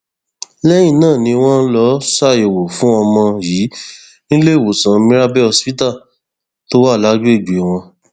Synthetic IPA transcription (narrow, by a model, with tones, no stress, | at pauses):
lɛ˦j̃ĩ˦˨nãː˦˨nĩ˧w̃ɔ̃˦n̩˦lɔ˨˦sa˦˨e˨wo˨fũ˨˦ɔ˧mɔ̃˧jiː˨˦ | nĩ˦le˦˨wo˨sã˨˦˧mĩ˦ɾa˦bɛ˦ɔ˧spi˦ta˦˨ | to˦wa˦˨la˦ɡu˦e˦˨d͡ʒe˨w̃ɔ̃˧